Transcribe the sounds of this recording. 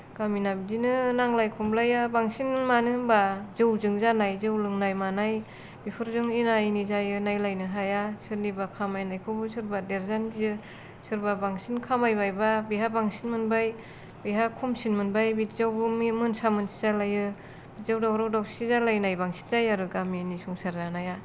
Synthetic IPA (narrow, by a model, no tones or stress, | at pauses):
ɡ̥aminabidinɯnaŋlajkʰumlajabaŋsinmanɯbazɯwzɯŋzanajzɯwlɯŋnajmanaj | bipʰɯɾzɯŋinajnizajɯnajlajnɯɦajasɯɾnibakʰamajnajkʰɯwbɯsʰɯɾbadeɾzanɡizɯ | sɯɾbabaŋsinkʰamajbajbabiɦabaŋsinmɯnbaj | biɦakʰumsinmɯnbajbitzawbɯmimɯnsamɯnsi̥zalajɯ | b̥it̚zawdawɾawdawsizalajnajbaŋsi̥nzajaɾɯɡaminisuŋsaɾzanaja